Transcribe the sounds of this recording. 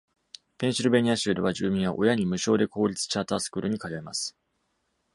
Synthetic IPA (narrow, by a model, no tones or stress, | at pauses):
pẽ̞ɰ̃ɕiɾɯ̟beɲ̟ʲiaɕɨːd̪eβaʑɨːmʲĩɰ̃βa̰ʔo̞jaɲ̟imɯ̟ɕo̞ːd̪e̞ko̞ːɾʲit͡sɨ̥t͡ɕaːt̪aːsɨ̥kɯ̟ːɾɯ̟ɲ̟ikaɾaema̰sɨ̥